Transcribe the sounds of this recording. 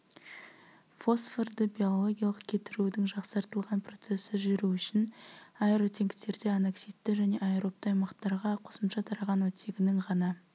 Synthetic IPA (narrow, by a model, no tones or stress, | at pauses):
fo̞sferd̪əbʲijo̞lˠo̞ɡʲijɑlˠəqkʲʰe̞t̪ɪɾud̪ɪŋʒɑqsɑɾt̪əlˠʁɑnpro̞t̪se̞sɪʒʏɾuʏʃɪnɑeɾot̪ʰe̞ŋɡʲt̪e̞ɾd̪e̞ɑneksijt̪ːɪʒæne̞ʔɑeɾo̞p̚t̪əɑjmɑqt̪ɑɾʁɑqʰosəmʃɑt̪ʰɑɾɑʁɑnwɵt̪ʰʲe̞ɡʲɪnɪŋʁɑnɑ